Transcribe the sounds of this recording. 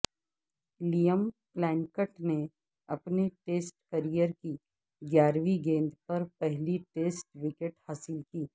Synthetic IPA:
lijəmplɛ̃ːɳkəʈne | ɐpneʈeːsʈkəɾijəɾki | ɡjaːɾʋiɡẽːnd̪pɐɾpɛɦliʈeːsʈʋɪkeʈhaːsɪlkiː

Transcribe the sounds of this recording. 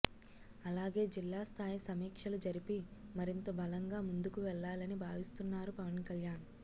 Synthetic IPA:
ɐlaːɡe̞ːd͡ʒilːaːst̪ʰaːjisɐmiːkʂɐlud͡ʒɐɾipimɐɾint̪ɐbʱɐlɐŋɡaːmund̪ukuʋɛɭːaːlɐnibʱaːʋist̪unːaːɾupɐʋɐnkɐljaːn

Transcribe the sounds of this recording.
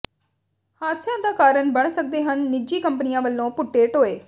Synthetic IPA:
haːt̪sɪjãːd̪aːkaːɾəɳbəɳsək̚d̪eːɦənːɪd͡ʒiːkəmpənɪjãːʋəlːõːpʊʈːeːʈɦoːeː

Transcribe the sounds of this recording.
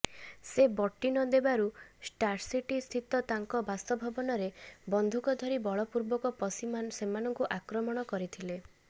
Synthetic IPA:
sebɔʈːinɔd̪ebaɾusʈaɾsiʈist̪ʰit̪ɔt̪aŋkɔbast̪ɔbʱɔbɔnɔɾebɔnd̪ʱukɔd̪ʱɔɾibɔɭɔpuɾbɔkɔpɔsimsemanɔŋkuʔakɾɔmɔɽ̃ɔkɔɾit̪ʰile

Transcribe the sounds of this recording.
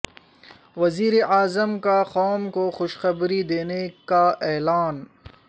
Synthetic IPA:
wɐziːɾeʔaːzəmkaxɔːmkoxʊʃxɐbɾid̪eːnekaʔɛːlaːn

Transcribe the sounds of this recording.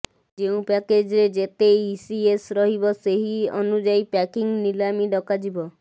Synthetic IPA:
d͡ʒeũpɛked͡ʒɾed͡ʒet̪esiesɾɔɦibɔseɦiɔ̰nud͡ʒaipɛkiŋnilamiɖɔkad͡ʒibɔ

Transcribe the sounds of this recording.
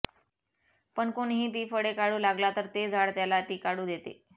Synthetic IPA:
pəɳkoɳɦiːt̪̬iːfəɽekaɽuːlaɡlat̪əɾt̪ed͡zʱaɽt̪jalat̪iːkaɽuːd̪et̪ḛ

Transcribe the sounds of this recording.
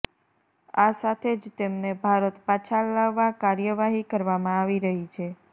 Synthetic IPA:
asat̪ʰed͡ʒt̪emnebʱaɾət̪pat͡ʃʰalaʋːakaɾjəʋaɦikəɾʋamãaʋiɾəɦit͡ʃʰe

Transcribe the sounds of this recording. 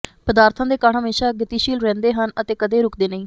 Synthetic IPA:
pəd̪aːɾt̪ʰãːd̪eːkaːɳɦəmeːʃaːɡət̪iːʃiːlɾɛ̃ːnd̪eːɦənət̪eːkəd̪eːɾʊkd̪eːnəĩː

